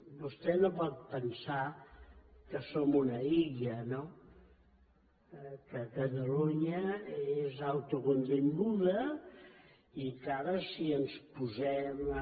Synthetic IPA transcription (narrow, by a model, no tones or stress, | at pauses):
bust̪ɛnopɔt̪̚pənsa | kəsomunəiʎəno | kəkət̪əluɲəezawt̪ukunt̪iŋɡuðə | ikaɾəsiənspuzɛm